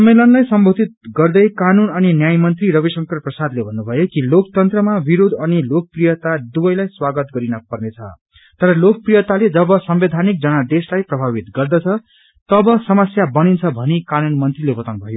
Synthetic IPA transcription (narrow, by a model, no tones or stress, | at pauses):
sʌmːelʌnlajsʌmbʱod̪ʱit̪̚ɡʌrd̪ʌjkanunʌninjajmʌnt̪riɾʌβisʌŋkʌrprʌsad̪lebʱʌnːubʱʌjokilok̚t̪ʌnt̪rʌmabiɾod̪ʱʌnilok̚prijʌt̪ad̪ubʌjlajswaɡʌt̪ɡʌɾinʌpʌrnet͡sʰʌ̰ | t̪ʌɾʌlok̚prijʌt̪aled͡zʌbʌsʌmbed̪ʱanik̚d͡zʌnʌd̪eslajprʌbʱaβit̪ɡʌrd̪ʌt͡sʰʌ | t̪ʌbʌsʌmʌsjabʌnint͡sʰʌbʱʌnikanunmʌnt̪rilebʌt̪anbʱʌjo